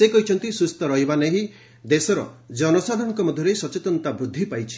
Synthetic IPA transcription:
sekɔɦit͡ʃʰɔnt̪isust̪ɔɾɔɦibaneɦĩ | d̪esɔɾɔ̰d͡ʒɔnɔsad̪ʱɔŋkɔmɔd̪ʱjɔɾesɔt͡ʃet̪ɔnt̪abɾud̪ʱːipajt͡ʃʰi̥

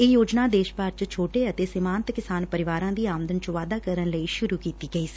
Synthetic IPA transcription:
eːjoːd͡ʒnaːd̪eːʃpaɾt͡ʃt͡ʃʰoːʈeːət̪eːsɪmaːnt̪kɪsaːnpəɾɪʋaːɾãːd̪iːaːmd̪ənt͡ʃəʋaːd̪aːkəɾənləiːʃʊɾuːkiːt̪iːɡəiːsi̥

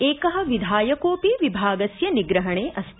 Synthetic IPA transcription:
eːkɐɦɐ̆ʋid̪ʱaːjɐkoːpiʋibʱaːɡɐsjɐniɡɾɐɦɐɳeːʔɐst̪

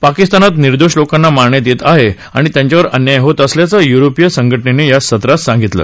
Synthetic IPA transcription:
pakist̪anat̪niɾd̪oʂlokanːamaɾɳet̪et̪aɦe | aɽ̃it̪jaɲt͡ɕaʋəɾənjajɦot̪əsljat͡səjuɾopijəsəŋɡʱəʈnenejasət̪ɾat̪sãŋɡʱit̪lə̰

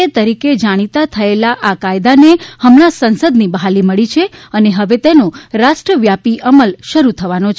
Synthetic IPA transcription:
et̪əɾiked͡ʒaɽ̃it̪at̪ʰəelaʔakajd̪anehəmɽ̃asənsəd̪nibəɦaliməɭit͡ʃʰeəneɦəʋet̪enoɾaʃʈɾəʋjapiʔəməlʃəɾut̪ʰəʋanot͡ʃʰ

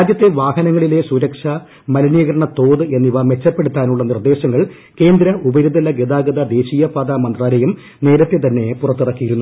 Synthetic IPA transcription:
aːd̪jɐt̪ːe̞ʋaːɦɐnɐŋːɐɭile̞suɾɐkʂɐ | mɐlɐniːɣɐɾɐɳɐt̪o̞ːðɨe̞nːiʋɐme̞t͡ɕːɐpːeɽut̪ːaːnuɭːɐnird̪e̞ːɕɐŋːɐɭ | ke̞ːnd̪ɾɐʔubɐɾud̪ʱɐlɐɡed̪aːɡɐd̪ɐd̪e̞ːɕiːjɐpaːd̪aːmɐnd̪raːɾejum | ne̞ːɾɐt̪ːet̪ɐnːe̞purɐt̪ːirɐkːijiɾunːu

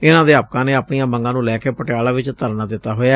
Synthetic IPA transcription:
ɪnãːd̪eːaːpkãːneːəːpɳijãːbəŋɡãːnũːlɛːkeːpəʈɪaːlaːʋɪt͡ʃt̪əɾnaːd̪ɪt̪ːaːɦoːjaː

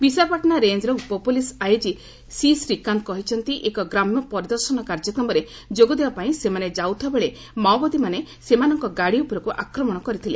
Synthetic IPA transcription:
bisapaʈɔnaɾend͡ʒɾɔupɔpulisajd͡ʒi | sisɾikant̪̚kɔɦit͡ʃʰɔnt̪iʔekɔɡɾamnɔpɔɾid̪ɔɾsɔnɔkaɾd͡ʒɔkɾɔmɔɾe | d͡ʒoɡɔd̪ebapaĩsemaned͡ʒawt̪ʰɔbeɭe | mawbɔd̪imanesemanɔŋkɔɡaɽiupɔɾɔkuʔakɾɔmɔɽ̃ɔkɔɾit̪ʰilḛ

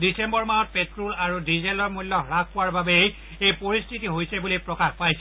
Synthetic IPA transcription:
disembɔɹmajɔt̚petɹulaɹudizelɔɹmulːɔkɹak̚ʰpɔwaɹbabɛ | ejpoɹistʰitiɦojsɛbulipɹɔkaxpajsɛ

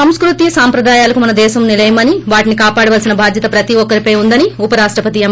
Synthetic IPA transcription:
ɐmskɾut̪ijɐsaːmpɾɐd̪aːjaːlɐkumɐnɐd̪ɛːʃɐmnilɐjɐmɐniʋaːʈinikaːpaːɽɐʋɐlsinɐbʱaːd̪jɐt̪ɐpɾɐt̪iɔkːɐɾipɐjund̪ɐniupɐɾaːʂʈɾɐpɐt̪iɐm

